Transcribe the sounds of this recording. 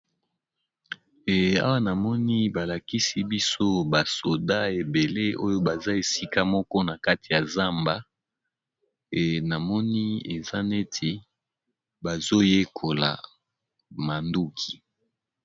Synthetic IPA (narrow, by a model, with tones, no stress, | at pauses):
a̰˦wa˦na˨mɔ˦ni˦ba˨la˨ki˦si˦bi˦so˦ba˨so˨da˦e˨be˨le˦o˦jo˦ba˨za˦e˨si˦ka˦mɔ˦kɔ˦na˨ka˦ti˨ja˨za˦mba˦ | e˨na˨mɔ˦ni˦e˨za˦ne˦tʰe˨ | ba˨zo˦je˦kʰo˨la̰˨ | ma˨ndu˦kʰi˨